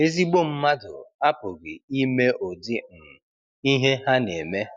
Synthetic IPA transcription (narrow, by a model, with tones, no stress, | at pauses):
e˦zi˦ɡ͡bo˦m̩˦ma˦dʊ̰˨a˦pʊ˨ɡɪ˨i˦me˦ʔo˨dɪ˦˨ | i˦ɦe˦ɦa˦ne˨me˦